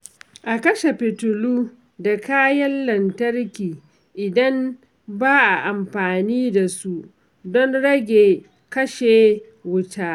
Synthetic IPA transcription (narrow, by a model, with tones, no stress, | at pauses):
ʔa˨kɐ˦ʃe˨ɸɪ˨tʊ˨luː˦ | da˨kaː˦jɐ˦nːɐ˨ntɐ˦rkʲiː˨ | ʔɪ˨dɐ˦m | baː˦ʔa˨ʔa˨mɸaː˨niː˦da˨su˦ʔ | dɔ˦nɽɐ˦ɡʲeː˨ | kɐ˦ʃeː˨ | wʊ˦taː˦